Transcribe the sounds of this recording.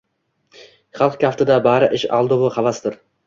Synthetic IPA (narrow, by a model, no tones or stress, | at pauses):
χɑlˠqkʲʰaft̪ɪd̪abaɾɪʔɪʃɑ̰lˠd̪ʊvʊχɑvast̪ɪɾ